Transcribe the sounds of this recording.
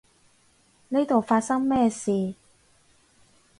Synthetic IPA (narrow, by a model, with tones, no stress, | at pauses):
ni˥t̪o˨wfaː˧t̚sɐ˥ŋmɛː˥siː˨